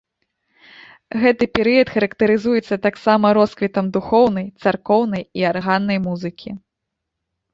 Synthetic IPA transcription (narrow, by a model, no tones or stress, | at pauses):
ɣɛt̪ɨpʲɛɾɨjɐt̪xɐɾɐkt̪ɐɾɨzujɛt̪sːɐt̪aksamɐɾɔskvʲit̪ɐmd̪uxɔwnɐjt̪sarkɔwnɐjiarɣanːɐjmuzɨkʲʰi